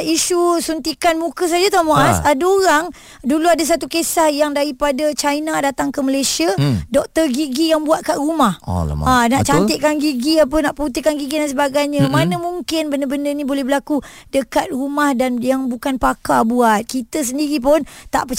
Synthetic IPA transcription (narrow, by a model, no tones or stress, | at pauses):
iʃusunt̪ikanmukəs̬ad͡ʒat̪amoʔasadaoɾaŋ | duluadas̬at̪ukesahjaŋdaɾipadat͡ʃajnadat̪aŋkəməlesiadɔk̚t̪ərɡiɡijaŋbuat̪̚karumahanaʔt͡ʃaɪʔ̚kanɡiɡiap̬ənaʔpəut̪ikanɡiɡidans̬əbaɡajɲəmanəmũŋkɪnbəndəbəndənibolɛhbəlakudəkat̪̚ɾumahdanjaŋbukanpakabuat̪̚kit̪əs̬əndiɾip̬ʊnt̪a̰ʔpə